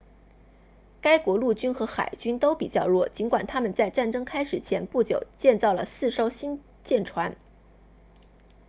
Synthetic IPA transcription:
ka˥ɪkwɔ˧˥lu˥˩t͡ɕy˥nxɤ˧˥xa̰˨˩ɪt͡ɕy˥nt̪o˥ʊpi˨˩t͡ɕjɑ˥˧ʊlwɔ˥˩t͡ɕi˧˥nkwa˨˩nt̪ʰa˥mə˨nt͡sa˥˧ɪʈ͡ʂa˥˩nʈ͡ʂɤ˥ŋkʰa˥ɪʂɻ̩˨˩t͡ɕʰjɛ˧˥npu˥˩t͡ɕjo˨˩ʊt͡ɕjɛ˥˧nt͡sɑ˥˩ʊlə̰˩sɹ̩˥˧ʂo˥ʊɕi˥n | t͡ɕjɛ˥˩nʈ͡ʂʰwa˧˥n

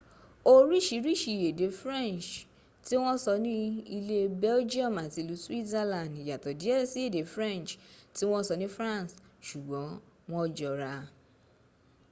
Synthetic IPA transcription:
o˦ɾi˦ʃi˨˦ɾi˦ʃi˨je˨de˨˦fɾɛ̃˦˨nt͡ʃ | ti˦w̃ɔ̃˦sɔ˧nĩ˦i˧le˦bɛ˦ld͡ʒi˦ɔ˦˨ma˨ti˧˦lu˨˦swi˦ɛ˦lã˨ndi˨ja˨tɔ˨di˨˦e˦ɾe˦si˦e˦˨de˨˦fɾɛ̃˦˨nt͡ʃti˦w̃ɔ̃˦sɔ˧nĩ˦fɾã˦˨nsʃu˨ɡ͡bɔ̃˨˦ | wɔ̃˦d͡ʒɔ˧ɾa˧

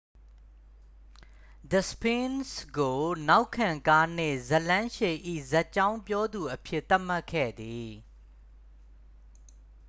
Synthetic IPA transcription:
d̪ə˨spẽ˦nsɡo˨na˦ʊkʰːã˨ŋka˦n̥ɪ̰̃˦˨zə˨lã˦ʃe˨ʔḭ˦˨zɛ˦ʔt͡ɕã˦ʊ̃mpjɔ˦d̪u˨ʔəpʰjɪ˦ʔt̪ːa˦ʔm̥a˦kʰːɛ̰˦˨d̪i˨

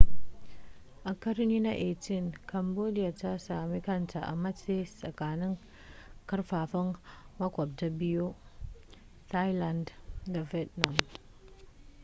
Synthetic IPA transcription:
ʔa˨kɐ˦ɾni˦na˦ʔe˨ti˦˨nkʰa˨mbo˦di˦ja˨ta˦saː˨mi˦kɐ˦ntʰa˨ʔa̰˨ma˦t͡se˦sʼɐ̰˨kaː˨nɪ˦ŋ | kɐ˦ɾɸaː˨ɸɐ˦nmɐ˦kʷa˨b̚ta˦bi˦jo˦ | tʰa˦jla˨ndda˨vɛ˦tna˨m

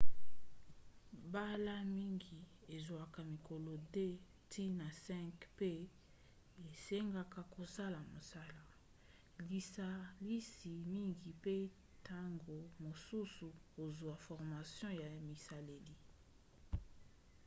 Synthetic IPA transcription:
ba˦la˦mi˦ŋɡi˨e˨zwa˨ka˨mi˨ko˨lo˨de˦ | tʰi˦na˨sɛ̃˦kpe˦ | e˨se˦ŋɡa˨ka˨ko˨sa˦la˨mo˨sa˦la˨ | li˨sa˨li˦si˨mi˦ŋɡi˨pe˦ | tʰa˦ŋɡo˨mo˨su˦su˨ko˨zwa˨fɔ˨ʁma˨sjɔ̃˦ja˨mi˨sa˨le˨li˦

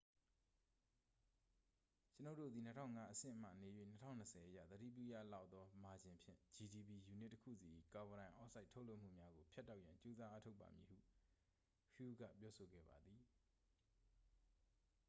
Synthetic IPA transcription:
t͡ɕəno˦ʊ˨tːo̰˦˨d̪i˨n̥ə˦tʰã˦ʊŋa˦ʔəsɪ̰̃˦˨ʔəm̥a̰˦˨ne˨jwḛ˦˨n̥ətʰã̰˦˨nəsɛ˨ʔəjä̰˦˨t̪əɾḭ˦˨p̬jṵ˦˨ja̰˦˨la˦ʊʔt̪ɔ˦ma˨d͡ʑɪ̃˨mpʰjɪ̰̃˦˨d͡ʑi˨di˨bi˨ju˨nɪ˦tːəkʰṵ˦˨zi˨ʔḭ˦˨ka˨wə˨ɾã˨ɪ̃ʔɔ˦sʰa˦ɪʔtʰo˦ʊlo˦ʔm̥ṵ˦˨mja˦ɡo˨pʰja˦tːa˦ʊʔjã˨ɲt͡ɕo˦za˦ʔa˦tʰo˦ʊpːa̰˨mji˨hṵ˦˨ | hju˦ɡä̰˦˨pjɔ˦so˨ɡɛ̰˦˨ba˨d̪i˨

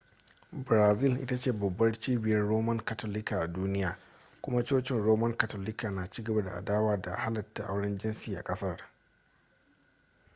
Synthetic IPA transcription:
bɾaː˨zɪ˦˨lʔɪ̰˦ta˦t͡ʃeː˦˨bɐ˨bːɐ˦rt͡ʃiː˦bɪ˨jɐ˦rɽoː˦mɐ˦ŋka˨toː˦lɪ˦ka˨ʔa˨duː˦nɪ˦jaː˨ | kʷʊ˦ma˦t͡ʃoː˦t͡ʃɪ˦nɽoː˦mɐ˦ŋka˨toː˨lɪ˦ka˨naː˨t͡ʃiː˦ɡɐ˨ba˦da̰˨ʔa̰˨daː˦waː˦da̰˨ha˦lɐ˨tːa˨ʔa̰˦wɽɐ˦nd͡ʒɪ˦nsiː˨ʔa̰˨kʼɐ˦sɐ˦r

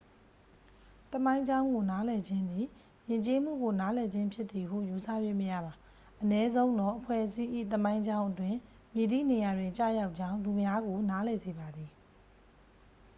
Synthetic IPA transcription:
t̪əmã˦ɪ̃ɲd͡ʑã˦ʊ̃ŋɡo˨na˦lɛ˨d͡ʑɪ̃˦nd̪i˨ | jɪ̃˨ɲt͡ɕe˦m̥ṵ˦˨ɡo˨na˨˦lɛ˨d͡ʑɪ̃˦mpʰjɪ˦t̪t̪ːi˨ɦṵ˦˨ju˨sʰa̰˦˨bwe˦˨məjä̰˦˨ba˨ | ʔənɛ˦zõ˦ʊ̃nd̪ɔ˦˨ʔəpʰwɛ̰˦˨ʔəsi˦ʔḭ˦˨t̪əmã˦ɪ̃ɲd͡ʑã˦ʊ̃ʔətwɪ̃˨ | mje˨d̪ḭ˦˨ne˨ja˨dwɪ̃˨ɲt͡ɕa̰˦˨ja˦ʊʔt͡ɕã˦ʊ̃nlu˨mja˦ɡo˨na˦lɛ˨ze˨ba˨d̪ði˨

